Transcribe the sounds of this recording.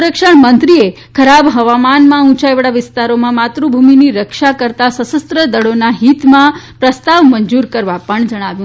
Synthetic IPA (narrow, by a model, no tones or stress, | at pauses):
ɾəkʃəɳmənt̪ɾie | kʰəɾabɦəʋamanmãũt͡ʃajʋəɽaʋɪst̪aɾomãmat̪ɾubʱuminiɾəkʃakəɾt̪asəsəst̪ɾəd̪əɽonaɦit̪mãpɾəst̪aʋməɲd͡ʒuɾkəɾʋapəɳd͡ʒəɽ̃aʋjũ